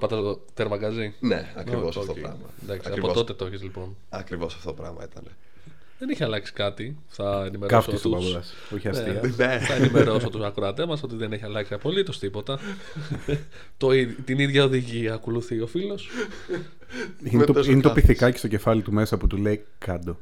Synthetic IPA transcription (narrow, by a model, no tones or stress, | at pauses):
pɐt̪ɐo | t̪eɾmɐɡɐzinḛɐkɾiosfɾɐmɐ̰end̪ɐksiiɐɾo̞t̪o̞t̪e̞t̪oçizlipo̞n | ɐkɾivosɐ̥ft̪ot̪opɾɐ̰ɣmɐ̰it̪ɐne | ðeniçiɐlɐksi̥kɐt̪i | θɐenime̞ɾofsst̪uɐsɐs | oçɐnsetieθɐenimeɾo̞sot̪usɐkɾoɐt̪emɐso̞t̪iðe̞neçiɐlɐksiɐpo̞lit̪o̞st̪ipo̞t̪ɐ | t̪oit̪iniðʝɐoðiʝiɐkoluθiofilo̞s | inet̪oinet̪opiθikɐcest̪oce̞fɐlit̪ume̞sɐput̪ulei | kɐd̪o